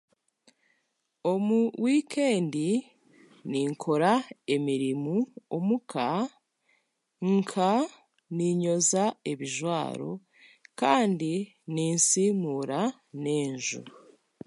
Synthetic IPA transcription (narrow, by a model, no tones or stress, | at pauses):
o̞muwʔiːkʰe̞ːndi | niːŋkʰo̞ɾae̞miɾimuomukʰa | ŋkʰa | niɲo̞zae̞βiʒwa̰ːɾo̞̰ | kaːndi | niːnsiːmuːɾa | ne̞ːɲʒṵ